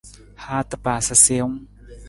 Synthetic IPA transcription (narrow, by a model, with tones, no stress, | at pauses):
haː˦t̪a˦paː˨sa˧se˧˦ŋ